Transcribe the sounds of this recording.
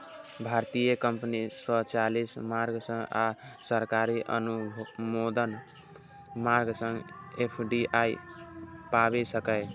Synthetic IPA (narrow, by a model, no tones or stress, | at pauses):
bʱaɾt̪ijəkəmpnisət͡ʃalismaɾɡsə̃ŋɡa̰səɾkaɾiʔə̰numod̪ən | maɾɡsə̃ŋɡepʰɖiʔai | pabesəkəɪ